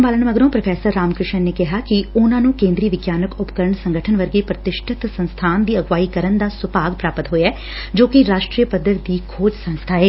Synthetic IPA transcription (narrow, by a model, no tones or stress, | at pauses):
mbaːləɳməɡɾõːpɾəpʰɛːsəɾːaːmkɾɪʃənːeːkɪɦaːkiʊnãːnũːkẽːnd̪ɾiːʋɪɡjaːnəkʊpəkəɾəɳsə̃ŋɡəʈʰənʋəɾɡiːpɾət̪ɪʃʈʰɪt̪sə̃nst̪ʰaːnd̪iːəɡʋaːiːkəɾənd̪aːsʊpaːɡpɾaːpət̪ɦoːeɛː | d͡ʒoːkiɾaːʃʈɾiːəpəd̪əɾd̪iːkʰoːd͡ʒsə̃nst̪ʰaːeː